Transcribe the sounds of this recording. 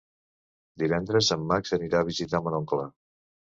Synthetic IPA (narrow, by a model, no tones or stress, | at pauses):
d̪iβɛnd̪ɾəzəmːaksəniɾaəβizit̪amənɔŋkla